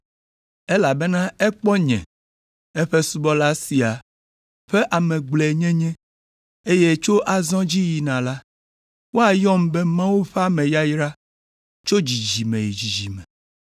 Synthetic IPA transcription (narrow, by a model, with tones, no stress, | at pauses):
e˦la˨be˦nã˦ɛ˦k͡pɔ˦ɲɛ̰̃˨ | e˦ɸe˦su˦bɔ˦la˦si˨a˨ | ɸe˦ʔa˨mɛ̃˨ɡ͡blɛ˨ɲɛ̃˦ɲɛ̃˦ | e˦je˦t͡ʃo˦ʔa˨zɔ̃˦d͡ʑi˦ji˨nã˨la˦ | wo˦a˨jɔ˦m˦bɛ˦mã˦wu˦ɸe˦a˦mɛ̃˨ja˦jɾa˦ | t͡ʃo˦d͡ʑi˨d͡ʒi˨mẽ˨ji˨d͡ʑi˨d͡ʒi˨mɛ̰̃˨